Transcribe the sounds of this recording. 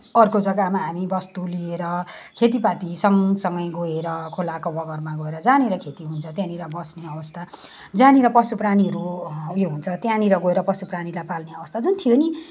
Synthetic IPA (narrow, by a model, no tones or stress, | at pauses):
ʌrkod͡zʌɡamaɦamibʌst̪ulieɾʌkʰet̪̬ipat̪isʌŋsʌŋɡʌjɡoeɾʌkʰolakobʌɡʌrmaɡoeɾʌd͡zaneɾʌkʰet̪iɦunt͡sʰʌt̪jãniɾʌbʌsneʌbʌst̪ʰa | d͡zaneɾʌpʌsupraniɦʌɾujoɦunt͡sʰʌt̪jãniɾʌɡoeɾʌpʌsupranilajpalneʌbʌst̪ad͡zunt̪ʰijoni